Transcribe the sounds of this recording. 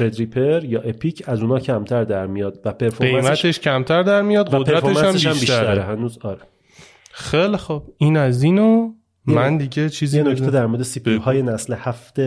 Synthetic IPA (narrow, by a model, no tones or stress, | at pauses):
ɾed̪ɾiːpʰeɾjɒːʔepʰiːcʰæzuːnɒːcʰæmt̪ʰæɾd̪æɾmijɒːd̪̥væpʰe̞ɾfoɾejæmæt̪ʰeʃcʰæmt̪ʰæɾd̪æɾmijɒːd̪væod̪eɾætfoemʃææmsebiʃæmiːt̪tæɾehænuːzɒːɾe | xelixob̥iːnæziːno | jmænd̪iɟet͡ʃʰiːzienoc̪ed̪æɾmoɾd̪esipʰiohɒːjenæslehæft̪e